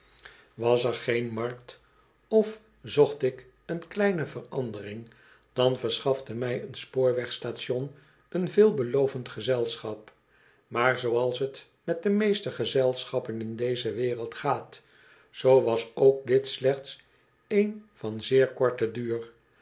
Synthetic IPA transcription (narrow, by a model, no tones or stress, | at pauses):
ʋɑsɛɹχejnmɑɹk̚t | ɔf | zɔχtɪk | ənklɛjnəvərɑndərɪŋ | d̥ɑnvəɹsχɑfdəmɛjənspoːɹʋɛχstaːtɔn | ənvɪːlˠbəlowvəntχəzɛlˠsχɑp | maːɹzowɑlˠsɦət | mɛt̚dəmejstəχəzɛlˠsχɑpənɪndejzəʋɪːrəlˠtχaːt | zowʋɑsowk̚dɪtslɛχts | ejnvɑnzɪːɹkɔɹtədyːr